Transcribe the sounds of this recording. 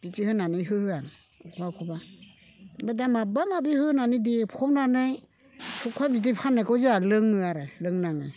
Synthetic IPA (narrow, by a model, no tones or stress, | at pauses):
b̥itihɯnanɯjɦɯhɯaŋ | kʰbakʰuba | badamabamabihɯnanidipʰɔmnanɯj | tʰukʰabit̬ipʰanakɔzialɯŋɯaɾalɯŋnaŋɯ